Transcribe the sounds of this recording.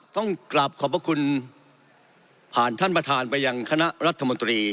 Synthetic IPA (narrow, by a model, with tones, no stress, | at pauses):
t̪ɔ˥˩ŋkla˨˩p̚kʰɔː˩˦pʰɾa˧kʰu˧n | pʰaː˨˩nt̪ʰa˥˩npɾa˧t̪ʰaː˧npa˧jːa˧ŋkʰa˧na˦˥ʔɾa˦˥t̪ʰːa˧mo˧nt̪ɾiː˧